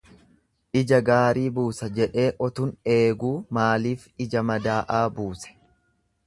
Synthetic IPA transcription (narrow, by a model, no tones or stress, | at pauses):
ʔɪd͡ʒɐɡaːɾiːbuːsɐd͡ʒɛᶑe̞ːʔɔt̪ʊne̞ːɡuːmaːliːfɪd͡ʒɐmɐd̪aːʔaːbuːsɛ̥